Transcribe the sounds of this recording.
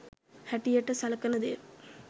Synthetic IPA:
hɐʈːɪjɛʈːɐsɐlɐkːɐnɐðḛːɾ

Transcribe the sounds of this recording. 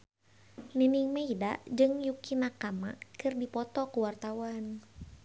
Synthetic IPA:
liniŋmeidad͡ʒɨŋjukinakamakɨrdipɔt̪ɔkuwart̪awan

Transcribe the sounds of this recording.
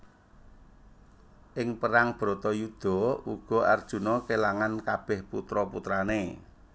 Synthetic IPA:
ʔɪŋpəɾaŋb̥ɾɔ̤t̪ɔjud̪̥ɔ̤uɡ̥ɔ̤ʔa̰rd̥ʒ̥ṳnɔkelaŋankab̥ɛhput̪ɾɔput̪ɾane

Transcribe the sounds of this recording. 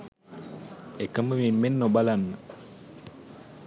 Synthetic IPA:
ekaməmemɛnːobalanːa

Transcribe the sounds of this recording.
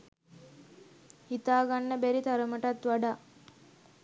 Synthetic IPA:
hit̪aːɡanːəbæɾit̪aɾəməʈat̪ʋaɖaː

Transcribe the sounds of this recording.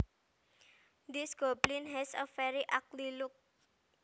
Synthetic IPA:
d̪isɡ̥ɔblinɦɛsɔfɛɾiʔak̚lilʊk̚

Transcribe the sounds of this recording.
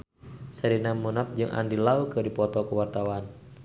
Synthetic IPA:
saɾinamunap̚d͡ʒɨŋʔa̰ndilaukɨdipɔt̪ɔkuwart̪awan

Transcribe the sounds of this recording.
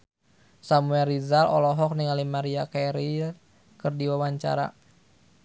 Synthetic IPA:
samuɛɾizalɔ̰lɔɦɔk̚niŋalimaɾiakɛɾi | kɨrdiwawaɲt͡ʃa̰ɾa̰

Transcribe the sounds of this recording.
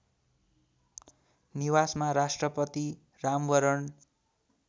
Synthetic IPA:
niwasmaɾasʈrʌpʌt̪i | ramɡʌɾʌn

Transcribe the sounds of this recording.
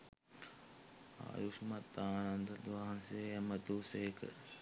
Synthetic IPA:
a̰ːjuʃmɐt̪ːaːnɐnd̪ɐd̪ʋaːɐnseːjɐmɐt̪uːseːkə̰

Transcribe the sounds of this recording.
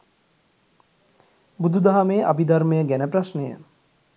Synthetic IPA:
bud̪ʱud̪aɦameːʔa̰bid̪aɾmejəɡænəpɾaʃnəjə̰

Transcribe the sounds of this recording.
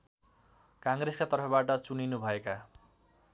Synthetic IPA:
kaŋreskat̪ʌɾpʰʌbaʈʌt͡suninubʱʌeka

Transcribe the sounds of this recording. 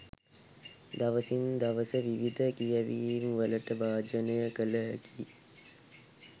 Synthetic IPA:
d̪aʋəsind̪aʋəsəʋiʋid̪ʱəkijaʋiːmʋələʈəbaːd͡ʒənəjəkələæki

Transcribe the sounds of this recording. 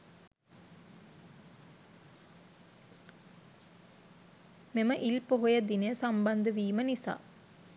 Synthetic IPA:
meməʔilpoɦojəd̪inəjəsamband̪əʋiːmənisa̰ː

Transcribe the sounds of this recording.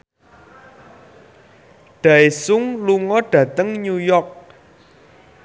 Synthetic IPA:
ɖ̥ä̤esʊŋluŋɔɖ̥ä̤t̪əŋɲujɔk̚

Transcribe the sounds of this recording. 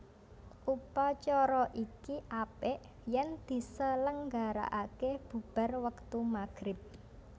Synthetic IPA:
ʔupat͡ʃɔɾɔʔikiʔapeʔ | jɛnd̪̥i̤sələŋɡaɾa̰ʔakeb̥ṳb̥a̤rwəkt̪umaɡ̥ɾɪp̚

